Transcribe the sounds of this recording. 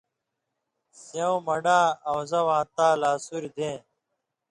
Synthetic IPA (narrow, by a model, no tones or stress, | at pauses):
sɐũmɐɖaːɐwzɐwãːt̪aːlaːsuɾid̪ẽː